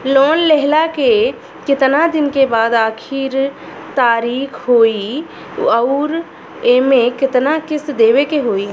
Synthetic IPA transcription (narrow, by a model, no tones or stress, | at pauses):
loːnleɦlake | kɪt̪nad̪ɪnkebaːd̪aːkʰɪɾ | t̪aːɾiːkʰɦoːi | əʊɾ | emẽkɪt̪nakɪsd̪eːʋekeɦoːi